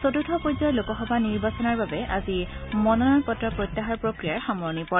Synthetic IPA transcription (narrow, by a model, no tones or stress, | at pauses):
sotutʰɔpojzɔjlokɔxɔbʱaniɹbasɔnaɹbabɛʔazimɔnɔnɔɹkɔtɹɔpɹotːaɦaɹpɹokɹijaɹxamɔɹnipɔɹ